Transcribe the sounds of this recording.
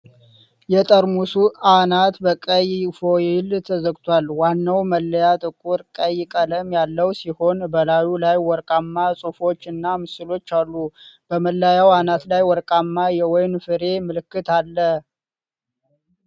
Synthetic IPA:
jɛt̪ʼəɾmusuanat̪bəkʼəjfo̞jɪlt̪ʰəzəɡt̪ʰwalwanːəwməlːəjat̪ʼɨkʼuɾkʼəjːɪkʼələmjalːəwsiho̞nbəlajulajwɔɾkʼamːasʼufo̞t͡ʃːɨnːamɨsɨlo̞t͡ʃːalːub̥əməlːajawanat̪lajwɔɾkʼamːajɛwɔjnfɨɾe̞mɨlɨkːɨt̪alːə

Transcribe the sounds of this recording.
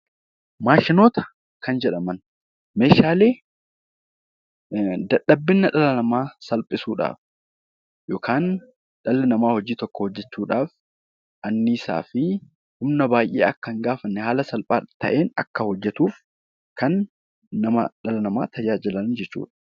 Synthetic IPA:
maːʃɪno̞ːt̪ɐ̥ | kɐnd͡ʒɛᶑɐmɐn | me̞ːʃaːle̞ː | d̪ɐᶑːɐbːɪnːɐᶑɐlɐnɐmaːsɐlpʼɪsuːᶑa̰ːf | jo̞ːkaːn | ᶑɐlːɛnɐmaːhɔd͡ʒiːt̪ɔkːɔhɔd͡ʒːɛt͡ʃːuːᶑaːf | ʔɐnːiːsa̰ːfɪ | hʊmnɐbaːjʔḛːɐkːɐŋɡaːfɐnːɛhaːlɐsɐlpʼaːt̪ɐ̰ʔe̞ːnɐ̰kːɐhɔd͡ʒːɛt̪uːf | kɐnː | ɐmɐ̰ᶑɐlɐnɐmaːt̪ʰɐd͡ʒaːd͡ʒɪlɐnd͡ʒɛt͡ʃːṵːᶑɐ̥

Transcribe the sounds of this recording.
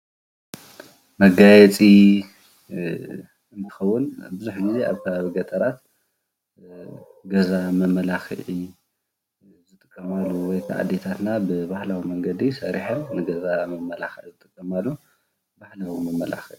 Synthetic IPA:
mɐɡajɛt͡sʼi | ɨnt̪ʰɨ̥xɐwːʊnbɨzuħɡize̞a̰βkʰɐβaβiɡɐt̪ʼɐɾat̪̚ | ɡɐzamɐmɐlaxʕi | zɨt̪ʼɨkʼːɐmalːuwɔjkʰa̰ʕa̰d̪et̪ʰat̪nabɨβaħlawimɐŋɡɐd̪isɐɾiħɐnnɨɡɐzamɐmɐlaxiʕzɨt̪ʼɨkʼːɐmalːu | baħlawimɐmɐla̰xiʔ

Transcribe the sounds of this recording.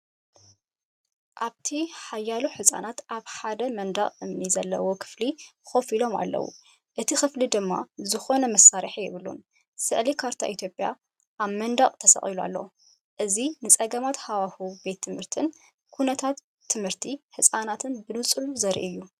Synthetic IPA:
ʔaβt̪ʰiħajːaluħɨsʼa̰nat̪ʔaβħad̪ɐmɐnd̪aχʼɨmnizɐlːɐ̰wo̞kʰɨ̥flixo̞filo̞ma̰lːɐ̰wṵ | ʔɨt̪ʰixɨflid̪ɨmːa̰zɨxo̞nɐmɐsːaɾħijɪβɨlṵn | sɨʕlikʰaɾt̪ʰa̰ʔit̪ʰjo̞pʼja̰ | ʔaβmɐnd̪aχʼt̪ʰɐsɐ̰χʼilua̰lːɐ̰wo | ʔɨzinɨt͡sʼɐɡɐmat̪hawahube̞t̪ʰːɨmhɨɾt̪ʰɨn | kʰunɐt̪ʰat̪ʰː | ɨmhɨɾt̪ʰiħɨsʼanat̪ʰɨnbɨnɨt͡sʼɨluzɐɾ̰ʔɨjːu

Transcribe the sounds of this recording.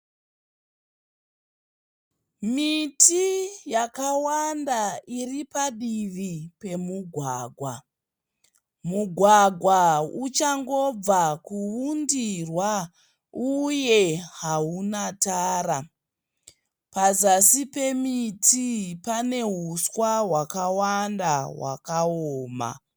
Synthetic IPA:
mitʰijakawandairipaɗiʋipe̞muɡʱwaːɡʱwa | muɡʱwaɡʱwaut͡ʃaŋɡo̞b͡vakuundirwa | uje̞ɦaunataːɾa | pazasipe̞mitipane̞ɦuswaɦwakawandawa̰kaoːma̰

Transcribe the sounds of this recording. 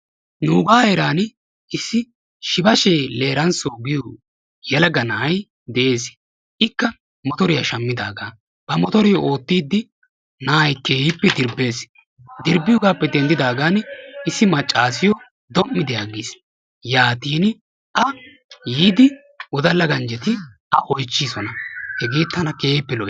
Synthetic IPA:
nuːɡaːeɾaːn | ʔɪsːɪ | ʃɪbɐʃeːle̞ːɾɐnsoːɡɪjo | jɛlɐɡɐnaj | d̪ɛʔeːs | ʔɪkːɐ | mɔt̪ɔɾɪjɐʃɐmːɪd̪aːɡaː | b̥ɐmɔt̪ɔɾɪjɔʔo̞ːt̪ːiːd̪ːɪ | naːjkeːjɪpːɛd̪ɪɾbe̞ːs | d̪ɪɾbːɪjɔɡaːpːɛd̪ɛnd̪ɪd̪aːɡaːnɪsːɪmɐt͡ʃʼːaːs̬ɪjɔ | d̪ɔmːɪd̪ɪjaɡis | jaːt̪iːn | ʔɐ | jiːd̪ɪ | ʊd̪ɐlːɐɡɐnd͡ʒɛt̪ɪ | ɐʔɔjt͡ʃːiːsɔnɐhɛɡe̞ːt̪ːɐnɐkeːjɪpːɛlɔ

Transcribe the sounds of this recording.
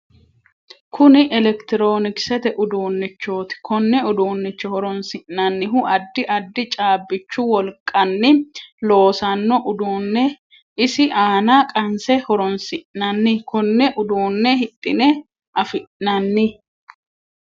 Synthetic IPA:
kʰʊnɪʔɛlɛkt̪ɪɾoːnɪksɛt̪ɛʔʊd̪oːnːɪt͡ʃːo̞ːt̪ɪ̥kʰɔnːɛʊd̪oːnːɪt͡ʃːɔhɔɾɔnsɪʔnɐnːɪɦʊʔɐd̪ːɪʔɐd̪ːɪt͡ʃʼaːbːɪt͡ʃːʊwɔlkʼːɐnːɪlo̞ːsɐnːɔʔʊd̪oːnːɛ | ɪsɪʔaːnaːkʼɐnsɛhɔɾɔnsɪʔnɐnːɪkʰɔnːɛʔʊd̪oːnːɛhɪt̪ʼːɪnɛ | ʔɐfɪʔnɐnːɪ

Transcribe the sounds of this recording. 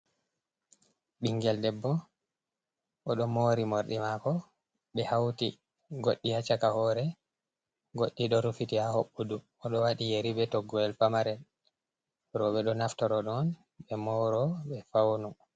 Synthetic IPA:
ɓiŋɡɛldɛbːɔ | ʔɔɗɔmoɾimoɾɗimakɔ | ɓɛhawti | ɡoɗːihat͡ʃakahɔɾɛ | ɡoɗːiɗɔɾufitihahoɓːudu | ɔɗɔwaɗijeɾibɛtɔɡːɔɛlfamaɾɛl | ɾɔɓɛɗɔnaftɔɾɔɗɔn | ɓɛmɔɾɔɓɛfawnu

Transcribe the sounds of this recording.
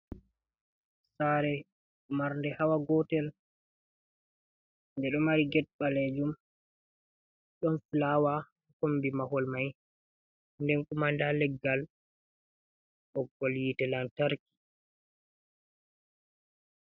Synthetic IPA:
saɾɛ | maɾndɛhawaɡɔtɛl | ndɛɗɔmaɾiɡɛt̚ɓalɛd͡ʒum | ɗɔnfilawa | kombimahɔlmaj | ndɛnkumandalɛɡːal | ʔɔɡɔljitɛlantaɾki̥

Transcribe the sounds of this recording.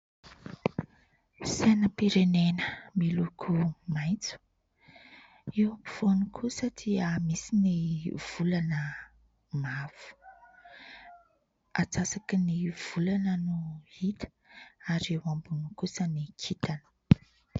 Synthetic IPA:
senəpiɾenenəmilukʰumajnt͡su̥ | iwapi̥v̥onikʰusəd̪iəmisiniv̥ulanə | mav̥u̥ | at͡sasakiniv̥ulanənuit̪ə̥ | aɾiewambunikusənikʰit̪anə̥

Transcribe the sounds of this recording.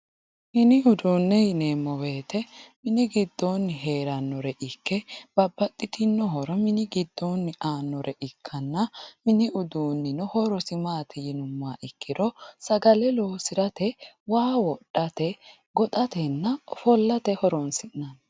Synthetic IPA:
mɪnɪʊd̪uːnːɛjɪneːmːɔwe̞ːt̪ʰɛmɪnɪɡɪd̪ːonːɪɦe̞ːɾɐnːɔɾɛʔɪkːɛb̥ɐbːɐt̪ʼːɪt̪ɪnːɔɦɔɾɔmɪnɪɡɪd̪ːonːɪʔaːnːɔɾʔɛʔɪkʰːɐnːɐmɪnɪʊd̪uːnːɪnɔhɔɾɔsɪmaːt̪ʰɛjɪnʊmːaːʔɪkːɪɾɔsɐɡɐlɛloːsɪɾɐt̪ɛ | waːwɔɗːɐt̪ɛ | ɡɔt̪ʼɐt̪ɛnːɐfɔlːɐt̪ɛhɔɾɔnsɪnːɐn

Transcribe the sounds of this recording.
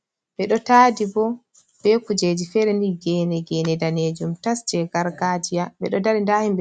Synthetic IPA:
ɓɛɗɔtaːdibɔ | b̥ɛkud͡ʒed͡ʒifɛɾɛndiɡɛnɛɡɛnɛdaned͡ʒumtasd͡ʒɛɡaɾɡad͡ʒijaɓɛ̰ɗɔdaɾindaːhimbɛ

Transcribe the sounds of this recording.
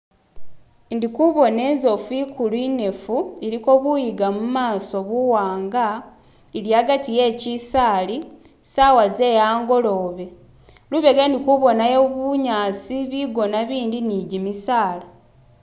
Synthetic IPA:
ndikuβo̞ne̞ːnzo̞fikʰulwine̞fueɾiko̞ːβujiɡamumaːso̞βuwaːŋɡa | eljaːɡatije̞ːcisaːli | saːwaze̞ːjaːŋɡo̞lo̞ːβe̞ | luβe̞ɡandikuβo̞najo̞βuɲaːsiβiɡo̞naβiːndiniɟimisaːla

